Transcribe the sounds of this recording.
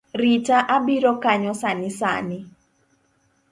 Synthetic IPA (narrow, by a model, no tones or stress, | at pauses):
ritaʔabiɾɔkaɲɔsanɪsa̰nɪ